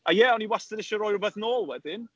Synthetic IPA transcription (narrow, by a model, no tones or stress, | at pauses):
ajɛɔniwastədɪʃɔɾɔjɾʊbɛθnoːlˠwɛdɪn